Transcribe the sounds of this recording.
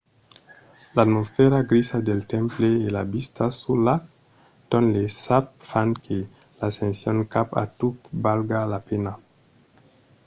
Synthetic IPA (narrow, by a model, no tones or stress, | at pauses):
lat̪mosfɛɾaɡɾisadelt̪ɛ̃mpleːlabist̪asula | t̪onlesap̚fankʰe | lasẽnsjoŋkapa̰t̪utbalɡalapena